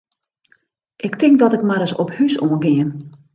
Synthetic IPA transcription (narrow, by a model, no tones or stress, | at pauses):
ʔɪktɪŋk̚dɔtɪkmaɾəsɔphysoːənɡɪən